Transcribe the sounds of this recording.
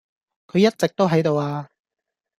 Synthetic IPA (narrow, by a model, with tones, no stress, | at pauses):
kʰɵ˨˧ɥjɐ˥t̚t͡sɪ˨k̚t̪o˥wɦɐ˨˥jt̪o˨waː˧